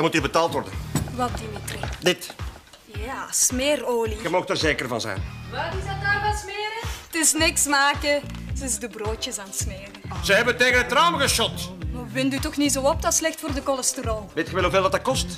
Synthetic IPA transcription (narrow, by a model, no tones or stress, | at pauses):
dmutiːrbətaːlˠtʋɔrdə̰nʋɛldimitridɪt | jasmeːroːlixəmoːxtərzeːkərvɑ̰nzɛ̰jnatɪzɑtaːrvɑsmɪːɾətɪsnɪksmaːkəsɪzdəbroːtəzaːnsmeːrəz̥əɦɛbənteːɣənətrawməɣəʃɔtmɔʋɪndutɔxnizoːɔp̚dɑtslɛxtfoːrdəkɔlɛstərɔlˠʋeːtxəʋɛlɦuveːlˠdɑtdɑkɔst